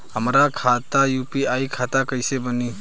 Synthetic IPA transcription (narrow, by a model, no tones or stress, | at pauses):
həmɾakʰat̪ajupiajkʰat̪akəjsebəni